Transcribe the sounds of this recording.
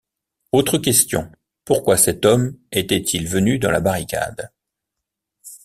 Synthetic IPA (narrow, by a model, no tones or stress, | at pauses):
ot̪χəkʲɛst̪jɔ̰̃ | puʁkwasɛt̪ɔmɛt̪ɛt̪ʰilvənyd̪ɑ̃la̰baʁika̰d̪